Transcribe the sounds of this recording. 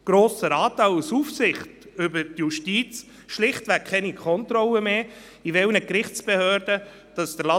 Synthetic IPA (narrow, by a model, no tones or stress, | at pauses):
ɡ̥ɾoːsəɾɑːtɑɪlsufsɪχt | ʏbəɾtjuʃtiːt͡s | ʃlɪχtʋækkʰχɛnikʰɔntɾɔləmeː | ivɛlnəkrɪχt͡sb̥ehøːɾdə | d̥ɑsd̥əɾlɑ